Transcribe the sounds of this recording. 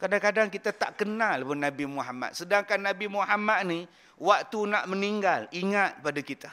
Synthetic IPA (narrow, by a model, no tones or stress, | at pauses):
kadakadaŋkit̪at̪a̰ʔkənalbənabimuɦama̰t̪̚sədaŋkanːabimuɦamat̪̚ni | wak̚t̪unaʔməniŋɡaliŋat̪̚padakit̪a